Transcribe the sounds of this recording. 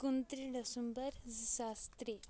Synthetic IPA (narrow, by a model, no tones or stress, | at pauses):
kunt̪ɾiɖɐsumbəɾzisast̪ɾi